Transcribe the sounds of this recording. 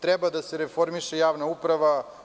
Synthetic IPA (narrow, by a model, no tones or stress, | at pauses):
t̪ɾɛbad̪aseɾefo̞ɾmiʃejaːʋnaupɾaʋa